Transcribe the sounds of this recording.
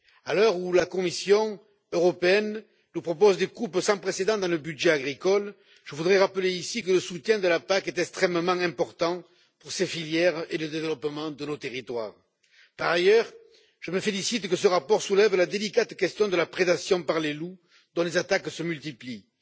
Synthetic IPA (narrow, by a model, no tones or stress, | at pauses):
alœʁulakɔmisjɔ̃ | øʁɔpeɛnː | upχɔpɔzd̪ekupsɑ̃pχesed̪ɑ̃d̪ɑ̃ləbydʒeaɡʁikɔl | ʒ̥əvud̪ʁɛʁapəleisikələsut̪jɛ̃d̪əlapakɛt̪ɛkst̪χɛmmɑ̃ɛ̃mpɔʁt̪ɑ̃ | puʁsefiljɛʁeləd̪evəlɔpəmɑ̃d̪ənot̪eʁit̪wa̰ʁ | paʁajœʁ | ʒ̥əməfelisit̪kəsəʁapɔʁsulɛvlad̪elikat̪kɛst̪jɔ̃d̪əlapχed̪asjɔ̃paʁlelu | d̪ɔ̃lezat̪aksəmylt̪ipli